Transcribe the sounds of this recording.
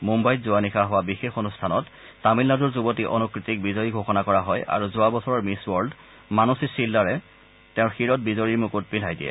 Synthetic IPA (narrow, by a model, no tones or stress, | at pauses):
mumbajtzʊanixʰaɦɔwabixexonustʰanɔtː | amilnazuɹzubotiʔɔ̰nukɹitik̚bizɔjiɡʱoxɔnakɔɹaɦɔjʔa̰ɹuzʊwabɔsɔɹɔɹmiswɔɹld | manusisilːaɹɛ | tɛʊɹxiɹɔt̚bizɔɹiɹmukut̚pilʱɦajdijɛ̰